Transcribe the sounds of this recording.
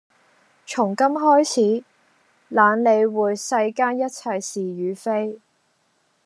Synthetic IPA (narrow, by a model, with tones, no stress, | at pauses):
t͡ʃʰʊ˨˩ŋkɐ˥mɦɔː˥jt͡sʰiː˨˥ | laː˨˧˥nle˨˧jwuː˨jsɐ˧jkaː˥njɐ˥t̚t͡sʰɐ˧jsiː˨jyː˨˧fe˥j